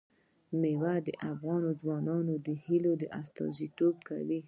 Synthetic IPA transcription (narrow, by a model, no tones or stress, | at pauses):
mewad̪ə̰ʔafɣɑnozwɑnɑnod̪əhilod̪əʔast̪ɑ̰zit̪ob̚ka̰wi